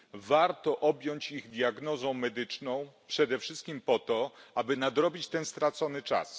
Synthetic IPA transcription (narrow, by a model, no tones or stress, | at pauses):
vaɾt̪ɔʔɔbʲjɔɲt͡ɕiɣd̪ʲjaɡnɔzɔ̃w̃mɛd̪ɘt͡ʂnɔ̃w̃pʂɛd̪ɛfʂɘst̪̚kʲimpɔt̪ɔabɘnad̪ɾɔbʲit͡ɕt̪ɛnst̪ɾat̪sɔnɘt͡ʂa̰s